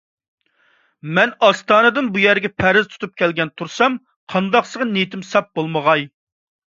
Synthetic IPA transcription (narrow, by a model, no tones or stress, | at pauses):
mɛnɑst̪ɑːnɨd̪ɨnbujæɾɡʲɛpʰæɾɪzt̪ʰu̥t̪ʰup̚kʲʰɛlɡʲɛnt̪ʰuɾsɑm | qʰɑnd̪ɑqsəʁnet̪ʰɪmsɑp̚bolˠməʁɑj